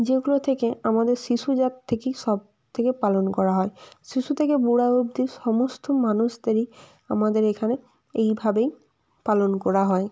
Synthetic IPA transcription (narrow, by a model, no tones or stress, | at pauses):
d͡ʑeɡulot̪ʰekeamad̪eɾsiʃud͡ʑat̪ʰːekejsɔb̚ | t̪ʰekepalonkɔɾaɦɔesiʃut̪ʰekebuɽaub̚d̪iɾsɔmost̪ʰomanuʃd̪aɾi | amad̪eɾekʰane | ejbʱabej | palonkɔɾaɦɔe